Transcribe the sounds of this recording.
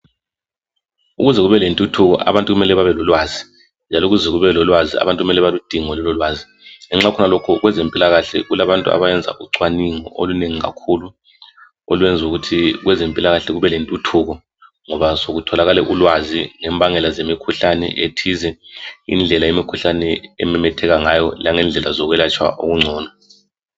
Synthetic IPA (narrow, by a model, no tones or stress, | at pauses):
uɣuzɛɣuβɛlentʼutʰuɣɔ̰ʔa̰βantʼuɣumɛlɛβaβɛlɔlwazi | nd͡ʒʱalɔuɣuzɛɣuβɛlɔlwazia̰βantʼuɣumɛlɛβalud̥ʱiŋɔlɛlɔlwaːzi | ŋɛŋ͡ǁakʰɔnalokʰɔɣwɛzempʼilaɣaɬɛ̰ɣulaβantʼua̰βajɛnd͡zʱa̰ʔuǀwaniŋɔʔoluneŋiɣa̰kʰulu | o̰lwɛnd͡zʱuɣutʰiɣwɛzempʼilaɣaɬɛɣuβɛlentʼutʰuɣɔ | ŋɔβasoɣutʰɔlaɣalɛʔulwaziŋɛmbʱaŋɛlazemikʰuɬanɛ̰ʔetʰizɛḭnd͡ɮʱɛlajemikʰuɬanɛɛ̰mɛmɛtʰɛɣaŋajɔlaŋɛnd͡ɮʱɛlazɔɣwɛlat͡ʃʼwa̰ʔo̰ɣuŋ͡ǀʱɔːna